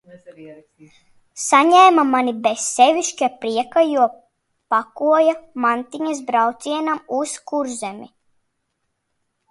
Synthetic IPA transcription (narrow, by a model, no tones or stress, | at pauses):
saɲɛːmamanibessɛviʃkʲapɾiɛkajuɔ | pakuɔjamant̪iɲasbɾawt̪sʲiɛnamuskuɾzɛmi